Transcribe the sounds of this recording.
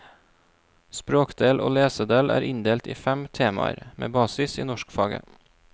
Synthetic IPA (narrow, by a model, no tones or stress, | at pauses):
spɾoːkd̪eːlʔo̰ːleːsəd̪eːlʔæ̰ːɾʔɪnd̪eːlt̪ḭːfæmt̪ʰeːmɑ̰ɾmʔḛːbɑːsɪsiːnɔʃkfɑːɡə̰